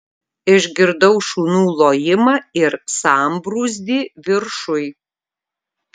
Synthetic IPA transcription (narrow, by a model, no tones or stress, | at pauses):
ɪʒʲɡʲɪɾd̪ɐʊʃuːnuːlˠoːjɪmɑːɪɾsɑːmbɾuːzʲd̪ʲiːʋʲɪɾʃʊj